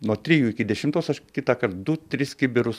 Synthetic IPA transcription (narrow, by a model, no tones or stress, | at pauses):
nuɔt̪ʲɾʲijuːɪkʲɪd̪ʲɛʃʲɪmt̪oːsɐʃkʲɪt̪ɑːkɐɾt̪d̪ʊt̪ʲɾʲɪskʲɪbʲɪɾʊs